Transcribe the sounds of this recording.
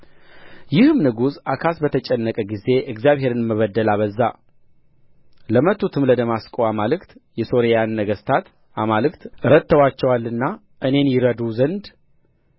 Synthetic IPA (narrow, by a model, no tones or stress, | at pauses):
jɪhɨmnɨɡuzakʰasbət̪ʰət͡ʃʼɛnːəkʼəɡize̞ʔɨkzjaβhɦe̞ɾɨnməβəd̪ːəlaβəzːa | ləmət̪ʰːut̪ʰɨmləd̪əmaskʼowamalɨkt̪jɛso̞ɾejanːəɡəst̪ʰat̪ | ʔamalɨkt̪ɨɾət̪ʰːəwat͡ʃːɛwalːɨnːa | ʔɨne̞njɪɾəd̪uzənd̪